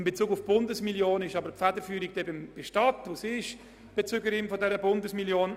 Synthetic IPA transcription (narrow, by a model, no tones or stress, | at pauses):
ɪmbet͡suːɡʊfb̥ʊndəsmiljoːnɪʃɑbəɾpfædəɾfyːɾikd̥ɛbɪmb̥ɪʃtɑtosiʃ | b̥et͡søːɡəɾɪmfɔdɛɾəbʊndəsmiljoːn